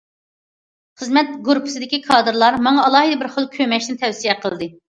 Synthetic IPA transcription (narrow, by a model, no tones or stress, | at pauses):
χəzmɛt̪ɡuɾpʰɨ̥sɨd̪ɪkʲikʰɑːd̪ɨɾlˠɑɾmɑŋɑːlˠɑːɦɨd̪ɛbɪɾχəlˠkʲʰømɛʃnɪnɪt̪ʰɛwsijɛqʰəlˠɨd̪ɨ